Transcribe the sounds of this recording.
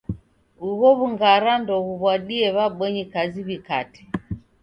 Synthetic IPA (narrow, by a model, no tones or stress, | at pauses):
uɣɔβuŋɡaɾandɔɣuβwaɗiɛβaɓwɛɲikaziβikati̥